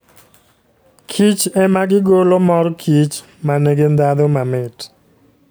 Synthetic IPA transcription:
kʰit͡ʃɛmaɡɪɡolɔmɔrkʰit͡ʃ | maneɡend̪ad̪ɔmamɪt

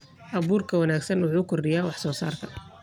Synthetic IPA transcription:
ʔɐβuːrkʰɐwɐnaːɡsɐnwʊħuːkʰʊrɖɪjaːwɑħsɔːsa̰ːrt̪ʰɐ

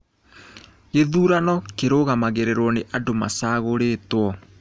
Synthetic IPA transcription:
ɣeðuːɾanɔkeɾoɣamaɣeɾeɾwɔneʔadoma̰saːɣoɾeːtwɔ

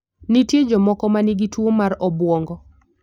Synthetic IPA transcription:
nitjed͡ʒɔmɔkɔmaniɡitwomaɾɔbwɔŋɡɔ

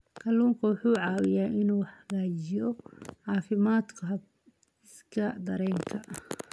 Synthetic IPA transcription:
kʰɐluːŋkʰɐwʊħuːʕɑːwɪjaːʔɪnuːħɐɣaːt͡ʃɪjɔʕɑːfɪmaːd̪kʰɐɦɐ | ɪskʰɐd̪ɐɾɛːŋkʰɐʔ

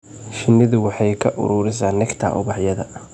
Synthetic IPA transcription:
ʃɪnːɪðʊwɑħɑjkʰɐʔʊ̰ɾʊːɾɪsaːnːɛkt̪ʰa̰ːʔʊ̰βɑħjɐðɐ

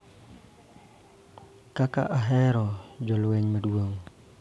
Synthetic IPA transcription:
kaka̰ʔaɦɛɾɔd͡ʒɔlʊwɛɲməduoŋ

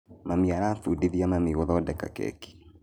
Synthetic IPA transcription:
mamiaɾaθudiðiamamiɣoðɔdɛka̰kɛ̰ki̥

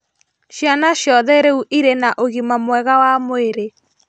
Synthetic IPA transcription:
ʃjanaʃjɔðɛɾeuʔiɾenaʔoɣimamwɛɣawamoeɾe

